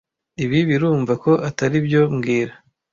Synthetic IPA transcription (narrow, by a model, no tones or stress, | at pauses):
iβiβiɾuːɱvako̞ʔataɾibjo̞mɡiːɾa